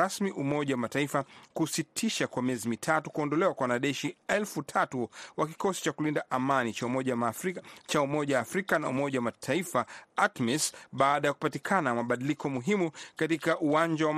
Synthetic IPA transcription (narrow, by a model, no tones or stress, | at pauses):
asmiʔumɔʄawamataifakusitʰiʃakwamiɛzimitʰatukuɔndɔlɛwakwawanaɗɛʃiɛlfutʰatuwaki̥kɔsi̥t͡ʃakulindaʔamaniaɔʄ | t͡ʃaumɔʄaaːfɾikana̰ṵmɔʄawamatʰaifaakmɛsɓaːɗajaku̥patikʰanamaɓaɗilikɔmuɦimukatikaʔuwãnd͡ʒawa